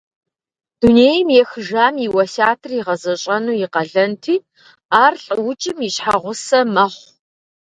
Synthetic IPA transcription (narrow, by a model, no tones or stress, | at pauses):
d̥uneːjmjɛxɨʒaːmiwɐsaːtʰɨriʁɐzɐɕʼɐnuːjɪqɐɮɐntʰiː | aːrɬʼɨwʊt͡ʃʼɪmiɕħaʁʷʊsɐmɐχʷ